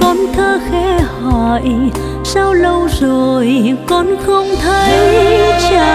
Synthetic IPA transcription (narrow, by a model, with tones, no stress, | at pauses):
kɔ˨˦nt̪ʰəː˧xɛ˧˥hɔ˧˩j | sa˧wlə˧wzo˨˩jkɔ˨˦nxə˧wŋ͡mt̪ʰə˧jt͡ɕa˧˨